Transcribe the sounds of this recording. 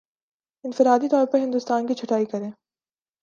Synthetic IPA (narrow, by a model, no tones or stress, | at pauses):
ɪ̃nfɪɾaːd̪it̪ɔːɾpɐɾɦɪ̃nd̪ʊst̪aːnkit͡ʃʰʊʈaːikɐɾẽː